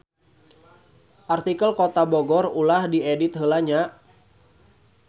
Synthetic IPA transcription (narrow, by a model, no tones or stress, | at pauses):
ʔart̪ikəlkot̪aboɡɔrulahdiedit̪̚ɦəlaɲa